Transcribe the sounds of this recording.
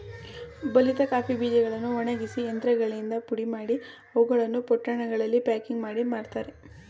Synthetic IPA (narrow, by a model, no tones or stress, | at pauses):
bɐlit̪ɐkaːpibiːd͡ʒɛɡɐɭɐnːuɔɳɐɡisiend̪ɾɐɡɐɭind̪ɐpuɽimaːɽi | ɐʋuɡɐɭɐnːupɔʈːɐɳɐɡɐɭɐlːipaːkiŋɡmaːɽimaːɽt̪aːɾe